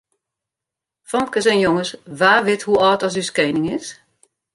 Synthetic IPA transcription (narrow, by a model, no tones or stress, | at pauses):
fɔmkəs̬ɛnjoŋəsʋaːʋɪthuɔːtɔs̬yskeːnɪŋɪs